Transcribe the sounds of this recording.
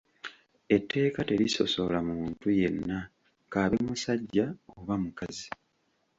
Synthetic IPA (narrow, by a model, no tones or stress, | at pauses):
e̞tʰːe̞ːkate̞ɾiso̞̰so̞lamumuːntuje̞nːa | kaːβemusaɟːaoβamukazi